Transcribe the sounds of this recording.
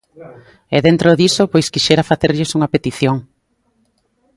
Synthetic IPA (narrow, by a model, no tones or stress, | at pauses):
ɛðent̪ɾoðisopojskiʃeɾafaθeɾʎɪsuŋapet̪iθjoŋ